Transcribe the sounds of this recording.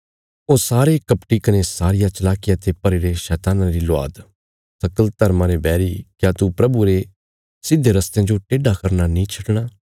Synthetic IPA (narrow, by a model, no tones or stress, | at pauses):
oːsaːɾekɐpʈikɐnesaːɾɪjat͡ʃɐlaːkɪjat̪epɐɾeɾeʃɛːt̪aːnãɾilʊa̰ːd̪ | sɐkəlt̪ɐɾmãɾebɛːɾikjaːt̪upɾɐbuɾe | sɪd̪ʱːeɾɐst̪jãd͡ʒoʈeːɖakɐɾnanĩt͡ʃʰɐʈɽ̃aː